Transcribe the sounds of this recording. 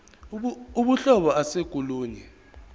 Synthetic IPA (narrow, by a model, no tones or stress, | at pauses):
uɓuɬɔɓɔaseɡ̥ʱuluːɲɛ